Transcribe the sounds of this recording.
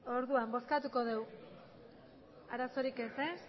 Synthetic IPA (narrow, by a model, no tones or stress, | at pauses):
o̞ɾðuambo̞skat̪uko̞ð̞e̞w | aɾaso̞ɾike̞ses